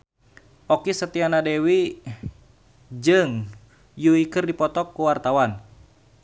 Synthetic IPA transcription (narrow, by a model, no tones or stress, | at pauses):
ʔɔkisət̪ianadɛwi | d͡ʒɨŋ | juikɨrdipɔt̪ɔkːuwart̪awan